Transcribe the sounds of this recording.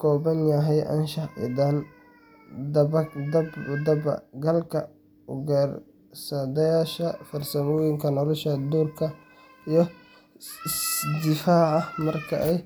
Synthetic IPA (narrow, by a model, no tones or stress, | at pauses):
kʰɔːbɐnjɐɦɛjʔɐ̰nʃɐʔɪ̰d̪an | d̪ɐbɐd̪ɐbd̪ɐbɐ̰ɡɐlkʰɐ | ʊɡar | sɐd̪ɐjaːʃɐfɐrsɐmɔːjɪŋkʰɐnɔlʊʃɐd̪uːrkʰɐ | ijɔ | ɪsd̪ɪfaːʕɑmɐrkʰɐʔɛj